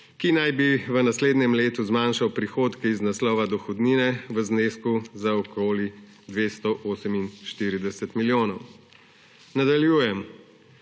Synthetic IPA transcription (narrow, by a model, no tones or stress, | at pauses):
kinajbiʋənasleːd̪nɛmleːt̪uzmaːnʃawpɾixoːt̪kɛiznaslɔːʋad̪ɔxɔd̪niːnɛʋəzneːskuzaɔkoːli | d̪ʋeːst̪ɔʔoːsɛminʃt̪iːɾid̪ɛsɛt̪miljoːnɔw | nad̪aljuːjɛm